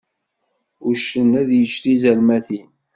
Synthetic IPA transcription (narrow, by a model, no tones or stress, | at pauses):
ʊʃənæðjət͡ʃɾizælmæθin